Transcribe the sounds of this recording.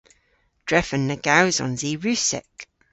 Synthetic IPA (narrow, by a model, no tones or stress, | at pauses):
d̥ɹɛfənːəɡ̥awzɔ̰̃nziɹʉˑsɛ̰k